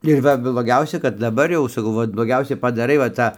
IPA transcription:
ɪr ˈʋɐ blˠoːˈɡʲɛʊsʲɛ kɐt dɐˈbɐr jɛʊ sɐˈkɐʊ ˈʋɐt blˠoːˈɡʲɛʊsʲɛ pɐˈdɑːrɐɪ ʋɐ ˈtɑː

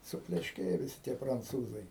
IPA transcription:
sʊpʲlʲɛʃʲˈkʲeːjɛ ʋʲɪˈsʲɪ tʲiɛ prɐnˈt͡suːzɐɪ

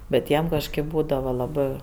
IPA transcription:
ˈbʲɛt ˈjiɛm kɐʃˈkɜp ˈbuːdɐʋɐ lˠɐˈbɜ

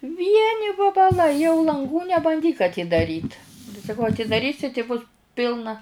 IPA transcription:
ˈʋʲiɛnʲɪ ʋɐbɐˈlˠɐɪ jɛʊ lˠɐŋˈɡuː nʲɛbɐnʲˈdʲiːk ɐtʲiːdɐˈrʲiːt tɐɪ sɐˈkɐʊ ɐtʲɪdɐˈrʲiːsʲɪ tʲɪ bʊs ˈpʲɪlˠnɐ

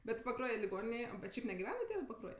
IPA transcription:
bʲɛt pɐˈkruɔjɛ lʲɪˈɡoːnʲɪnʲeːj oː bʲɛt ˈʃʲɛɪp nʲɛɡʲɪˈʋʲæːnɐ ˈtʲeːʋɜ pɐˈkruɔj

